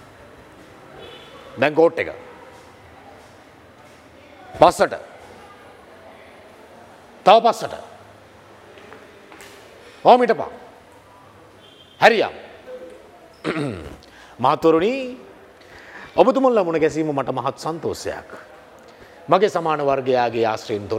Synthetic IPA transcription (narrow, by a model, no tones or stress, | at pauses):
d̪ɛŋkoːʈːekə̰ | pasːəʈə̰ | t̪aʋpasːəʈə̰ | aːmiʈəpa̰ŋ | hæɾija̰ːm | maɦat̪ːʋɐɾuniː | obut̪̬umulːɐmunɐɡɛs̬iːmɐmɐʈɐmaɦat̪ːo̥sant̪oːsjɐ̰ja̰k | maɡesamaːnɐʋaɾɡejaːɡeaːsɾejint̪o